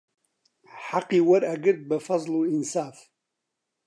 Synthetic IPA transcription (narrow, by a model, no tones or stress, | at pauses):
ħaqiwaɾaɡəɾd̪̚bafɑzˤluɪnsaːf